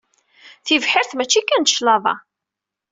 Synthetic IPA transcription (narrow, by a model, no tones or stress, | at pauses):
θivħɪɾθmæt͡ʃːikːænʃlɑðˤɑ̰